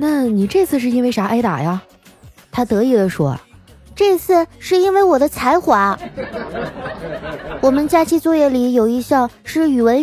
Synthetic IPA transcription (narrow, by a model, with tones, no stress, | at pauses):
na˥˩ni˨˩ʈ͡ʂɤ˥˧t͡sʰɹ̩˥˧ʂ̬ɻ̩˥˩i˥nwe˥˧ɪʂa˧˥ʔa˥ɪt̪a̰˨˩ja˧ | t̪ʰa˥t̪ɤ˧˥i˨˩lə˨˦ʂwɔ̰˥ | ʈ͡ʂɤ˥˧t͡sʰɹ̩˥˩ʂɻ̩˥˧i˥nwe˥˩ɪwɔ˨˩d̪ə˦t͡sʰa˧˥ɪxwa˧˥ | wɔ˨˩mə˦nt͡ɕja˥t͡ɕʰi˥t͡swɔ˥˧jɛ˥˩li˧˥jo˨˩ʊi˧˥ɕjɑ˥˧ŋʂɻ̩˥˩y˨˩wə˧˥n